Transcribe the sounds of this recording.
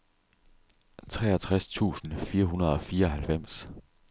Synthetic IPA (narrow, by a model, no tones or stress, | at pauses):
t͡sʰʁɛ̰ːɒt͡sʰʁast͡sʰṵːsn̩fiːɐɦunɐð̞ˠɒ̽fiːɐɒ̽ɦælfem̰s